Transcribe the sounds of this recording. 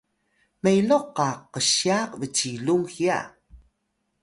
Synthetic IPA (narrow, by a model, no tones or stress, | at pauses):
mejloqːaqəɕiaqvət͡ɕiluŋxia̰